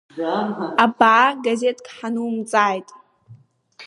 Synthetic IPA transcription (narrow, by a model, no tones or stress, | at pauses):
abaʕaɡaze̞tʼkʼħanumt͡sʼaːjtʼ